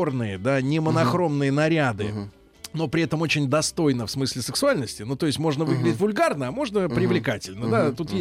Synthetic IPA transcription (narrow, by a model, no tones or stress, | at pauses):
ornɨjəd̪anʲɪmənɐxɾo̞mnɨjənɐɾʲad̪ɨ̰ | no̞pɾʲɪɛt̪əmo̞t͡ɕɪnʲd̪ɐst̪o̞jn̪əfsmɨsʲlʲɪsɨksʊalʲnəsʲtʲɪnut̪o̞ɪsʲtʲmo̞ʐnəvɨɡlʲɪdʲɪtʲvʊlʲɡarnəɐmo̞ʐnəpɾʲɪvlʲɪkatʲɪlʲnəd̪at̪ut̪je